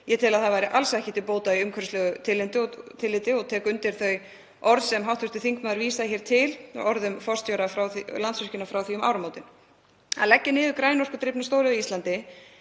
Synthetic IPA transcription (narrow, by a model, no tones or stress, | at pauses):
jɛt̪ʰɪlaðθaðvajɾɪʔalsɛhcɪ̥t̪ɪlpoːwt̪aiʏmkʰœɾst̪lɛɣʏt̪ʰɪlːɪnt̪ɪɔt̪ʰɪlːɪnt̪ɪɔt̪ʰɛːkʏnt̪ɪɾ̥θœj | ʔɔɾðsɛmɦawht̪ʰvʏst̪ɪ̥θiŋkmaðʏɾviːsaðçɛːɾ̥t̪ʰɪl̰ɔɾðʏmfɔr̥st̪jɔwɾafɾawlant̪sœscɪnafɾawθiʏma̰ːwɾamoːwt̪ɪn | a̰lɛcːɪnɪːðʏkɾaːjnɔr̥kʏt̪ɾɪpnast̪oːwɾɪðɪist̪ant̪ɪ